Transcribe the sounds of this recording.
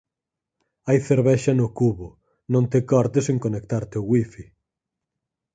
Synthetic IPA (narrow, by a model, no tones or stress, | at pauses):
ajθeɾβɛʃɐnʊkuβʊ | nõnt̪ekɔɾt̪eseŋkonekt̪aɾt̪eoɣwifi